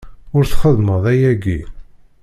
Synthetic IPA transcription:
ʊɾθχəðˤməðˤæjæɡi

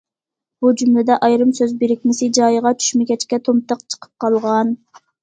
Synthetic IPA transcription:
b̥ud͡ʒymlɪd̪ɛʔɑjɾɨmsøzbɪɾɪkʲmɪsɪd͡ʒɑjəʁɑt͡ʃʰy̥ʃmɪɡʲɛt͡ʃkʲɛt̪ʰomt̪əqt͡ʃʰə̥qʰə̥p̚qʰɑlˠʁɑn

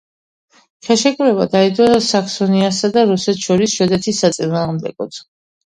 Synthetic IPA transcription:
χɛʃɛkʼuɾɛbad̪aid̪ɔsakʰsɔniasad̪aɾusɛt̪ʰʃɔɾisʃɛd̪ɛt̪ʰisːat̪sʼinaːʁmd̪ɛ̰ɡɔt̪ʰ

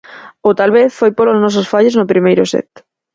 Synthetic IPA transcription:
ʊt̪alβeθfojpoloznɔs̬osfaʎoznopɾimejɾʊsɛ̰t̪

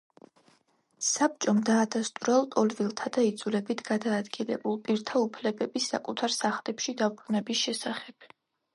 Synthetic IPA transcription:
sap̚t͡ʃʼɔmd̪aːd̪ast̪ʼuɾɛlˠt̪ʼɔlvilˠt̪ʰad̪aid̪zulɛbit̪ʰɡad̪aːd̪ɡilɛ̰bulˠpʼiɾt̪ʰaupʰlɛbɛbisːa̰kʼut̪ʰaɾsaχlɛpʃid̪abɾunɛbisʃɛsaχɛb̥

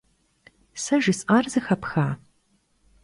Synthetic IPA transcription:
sɐʒɪsʼʔaːrzɨxɐpxaː

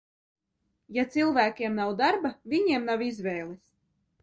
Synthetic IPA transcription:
jat̪silˠvæːkʲiɛmnawd̪aɾbavʲiɲiɛmnawizvʲɛːlˠis

